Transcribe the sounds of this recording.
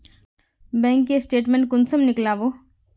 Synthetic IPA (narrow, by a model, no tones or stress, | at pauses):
bɛ̃ːŋkːesʈeːʈmẽɳʈ̚kʊnsəmnɪklaːʋoː